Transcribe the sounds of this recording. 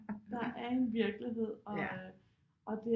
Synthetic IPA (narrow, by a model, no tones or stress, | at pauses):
d̥ɑ̈ʔæɐe̝nʋiɐɡ̥liɦe̝ð̰ˠɒ̽ | ʔɒ̽d̥e̝